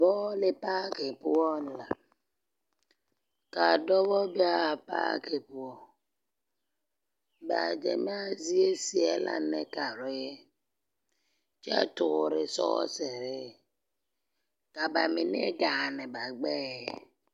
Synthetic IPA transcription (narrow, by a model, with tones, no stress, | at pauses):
bɔ˦le˦pa˦ke˨pu˦ɔ˦n˨la˨ | ka˨dɔ˦βɔ˦bi˦a˦˨pa̰˦ke˨pu˨ɔ˨ | ba̰˨d͡ʒḛ˨mi˦a˦zi˦e˦si˦e˨la̰˦ne˨ka˨ɾɔ˨˦je˦ | t͡ʃɛ̰˦tʊ˨ɾɪ˨sɔ̰˦se˨ɾɪ˦˨ | ka˨ba˨mi˨nḛ˦ɡa˨ne˨ba˨ɡ͡be˦j